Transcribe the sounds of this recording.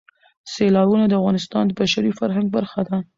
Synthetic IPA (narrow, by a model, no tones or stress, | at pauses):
selɑbunad̪əafɣɑnɪst̪ɑnd̪əbaʃaɾifaɾɦaŋɡ̚baɾxad̪a